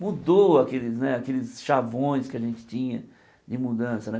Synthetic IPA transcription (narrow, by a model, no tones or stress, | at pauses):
mud̪oakelɪsnɛakelɪsʃavõj̃skɪaʒẽnt͡ʃɪ̥t͡ʃĩɲɐ | d͡ʒɪmud̪ɐ̃sɐnɛ